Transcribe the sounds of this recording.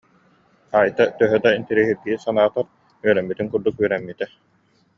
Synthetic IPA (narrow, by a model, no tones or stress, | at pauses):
aːjt̪at̪œɦœd̪aint̪iɾiɦiɾɡiːsanaːt̪aɾ | yœɾɛmːit̪iŋkuɾd̪ukyœɾɛmːit̪ɛ